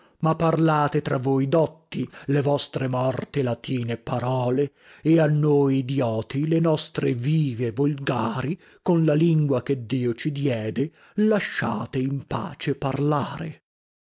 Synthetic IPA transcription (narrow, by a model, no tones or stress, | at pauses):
mapːarlaːt̪et̪ɾavojd̪ɔt̪ːilevɔst̪ɾemɔrt̪elat̪iːnepːaɾɔːle | eanːojid̪jɔːt̪ilenɔst̪ɾeviːvevolɡaːɾi | konlaliŋɡwak̟ed̪ːiːot͡ʃid̪jɛːd̪e | laʃːa̰ːt̪eimpa̰ːt͡ʃeparlaːɾḛ